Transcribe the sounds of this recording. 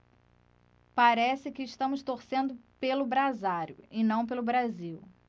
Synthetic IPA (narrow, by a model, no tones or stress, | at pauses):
paɾɛsɪkɪːʃt̪ɐ̃mʊst̪oɾsẽnd̪ʊpelʊbɾazaɾjʊɪnɐ̃w̃p̬elʊbɾaziw